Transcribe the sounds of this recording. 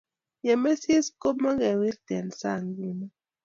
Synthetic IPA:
jɛ˨me˦si˦sko˦ma˦ɡɛ˨wi˦ɾtɛ˨nsa̰˦˨ŋɡi˦na˦

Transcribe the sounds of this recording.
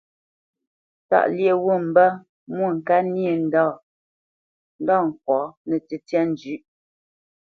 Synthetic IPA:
ta̰˦˨ʔlje˦˨wu˦˨m̩˨bə˦ | mwo˦˨ŋ̩˨ka˦nje˨n̩˦dɔ˦˨ | n̩˦dɔ˦˨ŋ̩˨kwɔ˨˦nɛ˨ti˨tjɛ˦n˨d͡ʒʉ˨˦ʔ

